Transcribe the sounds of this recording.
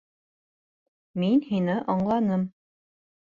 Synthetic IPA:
minhinɘʔɑɴlˠɑnɤm

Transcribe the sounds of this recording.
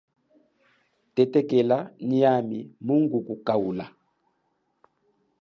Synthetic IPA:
tɛtɛkɛlaniamimuŋɡukukaula̰

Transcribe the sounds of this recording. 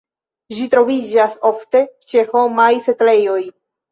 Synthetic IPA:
ʒitɾo̞vid͡ʒaso̞fte̞t͡ʃe̞ho̞majsetle̞jo̞j

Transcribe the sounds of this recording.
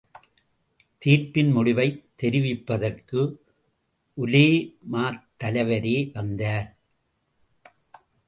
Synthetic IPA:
t̪iːrpɪnmʊɽɪʋɐɪt̪ːɛɾɪʋɪpːɐðɐrkɯ | ʔʊleːmaːt̪ːɐlɐʋɐɾeːʋɐnd̪aːɾ

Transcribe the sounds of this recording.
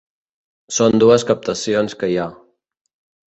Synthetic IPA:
sond̪uəskəp̚t̪əsionskəja

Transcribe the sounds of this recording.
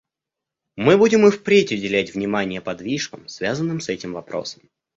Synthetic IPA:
mɨbudʲɪmɨfpɾʲetʲʊdʲɪlʲætʲvnʲɪmanʲɪjəpɐd̪vʲiʂkəmsvʲazənːɨmsɛtʲɪmvɐpɾo̞̰sə̥m

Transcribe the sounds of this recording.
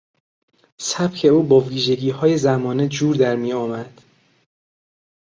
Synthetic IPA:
sæb̥cʰe̞uːbɒːviːʒe̞ɟiːhɒːje̞zæmɒːned͡ʒuːɾd̪æɾmiːɒːmæd̪̥

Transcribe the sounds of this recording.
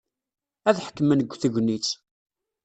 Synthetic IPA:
æðħə̥kːəmænəɡʷːθəʝʷnit͡sː

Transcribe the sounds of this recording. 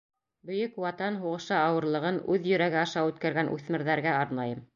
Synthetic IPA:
bɵ̆jɵkwɑt̪ɑnɦuʁɤ̆ʃɑɑwɤ̆ɾlˠɤ̆ʁɤnʉðjɵ̆ɾæɡɘɑʃɑʉt̪kæɾɡænʔʉ̰θmɘ̆ɾðæɾɡæɑɾnɑjɤm

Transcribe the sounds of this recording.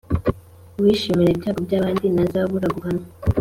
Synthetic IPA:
wiʃimiɾebjaːɡobɟaːβaːndinazaββuɾaɡuhano

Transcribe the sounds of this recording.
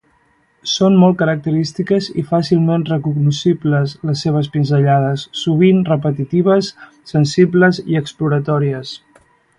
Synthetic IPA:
sonmɔlˠt̪̚kəɾək̚t̪əɾist̪ikəzḭfasilˠmenrəkuɡnusibləzləsːeβ̞əs̬pinzəʎað̞əsːuβ̞inrəpət̪it̪iβ̞əsː | ənsibləziəkspluɾət̪ɔɾiəs

